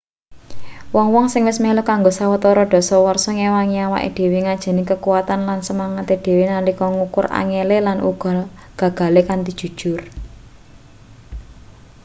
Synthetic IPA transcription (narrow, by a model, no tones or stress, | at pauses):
wɔŋwɔŋsɪŋwɪsmelokaŋɡosawət̪ɔɾɔɖ̥ɔ̤sɔwɔrsɔŋewaŋiawa̰ʔḛɖ̥e̤weŋad̥ʒ̥ɛ̤nɪkəkuwat̪anlansəmaŋat̪ed̥e̤wenalikɔŋukʊra̰ŋelelanʔṵɡ̥ɔɡ̥ä̤ɡ̥a̤lekant̪id̥ʒ̥ṳd̥ʒ̥ʊr